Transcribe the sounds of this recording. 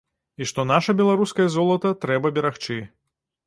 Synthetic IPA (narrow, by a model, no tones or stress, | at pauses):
iʂt̪ɔnaʂɐbʲɛlˠaɾuskɐjɐzɔlˠɐt̪ɐt̪ɾɛbɐbʲɛɾaxt͡ʂɨ